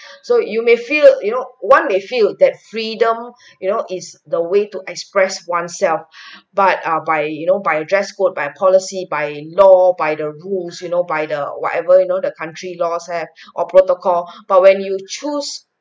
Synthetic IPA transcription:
sojumefiljunowãnmefildɛt̚fɹidə̃m | junoʔisdəwetuʔɛkspɹɛswãnsɛlfbat̚abajjunobajədɹɛskot̚bajpʰɔlisibajlɔbajdəɹulsjunobajdəwɔ̰tɛvəjunodəkʰãntʰɹilɔshɛv | ʔɔpɹotokʰɔlb̥at̚wɛ̃njut͡ʃus

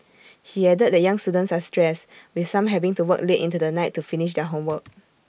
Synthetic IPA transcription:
hiɛdəd̚dɛjãŋstudə̃ntsastɹɛswiθsãmɦɛvĩŋtuwəkletĩntudənaɪtːufiniʃ̬dɛɦõmwək̚

